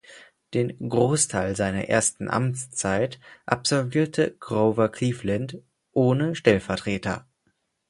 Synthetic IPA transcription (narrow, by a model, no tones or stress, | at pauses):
d̥eːnɡʁoːstʰaɪlzaɪnɐ̰ʔḛːɐstn̩ʔa̰mt͡st͡saɪtʔa̰pz̥ɔlviːɐtʰəɡʁoʊvɐkʰl̥iːflant | ʔoːnəʃtɛlfɛɐtʁ̥eːtʰɐ̰